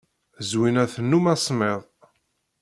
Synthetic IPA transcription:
zwinæθənːumæsˤmeðˤ

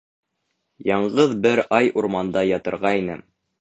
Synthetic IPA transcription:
jɑɴɢɤðbɘɾɑjʔuɾmɑnd̪ɑjɑt̪ɤ̆ɾʁɑinɘ̰

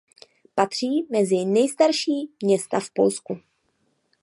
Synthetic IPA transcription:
pat̪r̝̥iːmɛzɪnɛjst̪aɾʃiːmɲɛst̪afpo̞̰lsku

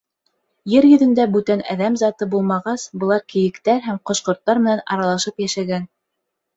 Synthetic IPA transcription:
jɘɾjɵ̆ðɵ̆nd̪æbʉt̪ænæ̰ðæmzɑt̪ɤbulˠmɑʁɑsbɤ̆lˠɑɾkɘ̆jɘ̆kt̪æɾɦæmqŏʃqŏɾt̪ːɑɾmɘ̆nænɑ̰ɾɑlˠɑʃɤpjæʃæɡæn

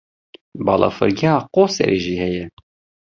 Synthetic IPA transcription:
bɑːlʔɑ̰ːfɨ̰ɾɡiɑːqoːsɛ̰ɾʔeːʒiːhɛjɛ

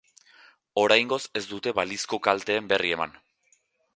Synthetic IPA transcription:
o̞ɾajŋɡo̞se̞zd̪ut̪e̞βalisko̞kalt̪e̞ːmbe̞rie̞ma̰n

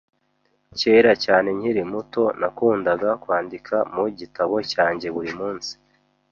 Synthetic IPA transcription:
ce̞ːɾacaːne̞ɲhiɾimuto̞nakuːndaɡakwaːndikʰamuɟitaβo̞caːɲɟe̞βuɾimuːnsi̥

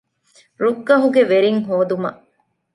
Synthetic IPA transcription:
ɾuɡːɐɦuɡeʋeɾiŋɦoːd̪umɐʔ

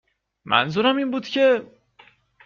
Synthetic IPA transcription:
mʔæ̰nzuɾæmiːnbuːd̪̥cʰe̞

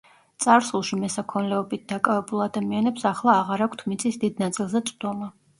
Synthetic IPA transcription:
t̪sʼaɾsulˠʃimɛsakʰɔnlɛɔbit̪̚d̪̥akʼavɛbulˠad̪amianɛpsaχlˠaːʁaɾakʷʰt̪ʰmit̪sʰʼisd̪id̪nat̪sʼilˠzɛt̪sʼd̪ɔma

